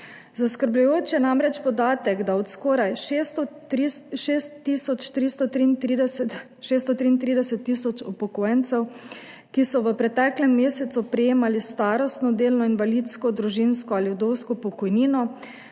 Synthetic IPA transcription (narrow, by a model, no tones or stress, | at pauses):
zaskəɾbjujoːt͡ʃjɛnamɾɛt͡ʃpɔd̪aːt̪ɛɡd̪aɔt̪skɔːɾajʃest̪ɔɾist̪ʃest̪ːiːsɔt͡ʃt̪ɾist̪ɔt̪ɾiːnt̪id̪ɛsɛt̪ | ʃeːst̪ɔt̪ɾiːnt̪ɾiːd̪ɛsɛt̪ːisɔt͡ʃupɔkoːjɛnt̪sɛw | kisɔʋəpɾɛt̪ɛklɛmːeːsɛt̪supɾɛjeːmalist̪aːɾɔst̪nɔd̪eːlnɔinʋalit̪skɔd̪ɾuʒinskɔaljud̪owskɔpɔkɔjniːnɔ